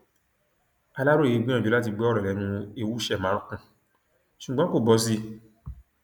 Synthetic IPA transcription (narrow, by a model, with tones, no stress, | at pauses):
a˧la˦ɾo˦˨i˨˧ɡ͡bĩ˦ã˦˨d͡ʒo˨˦la˦t̬i˧ɡ͡bɛ˦ɔ˦ɾɔ˨lɛ˨˦nũ˧e˧wu˦ʃɛ˦˨mã˨˦ɾũ˦kũ˧˨ | ʃu˨ɡ͡bɔ̃˨˦ko˦˨bɔ˨˦s̬i˧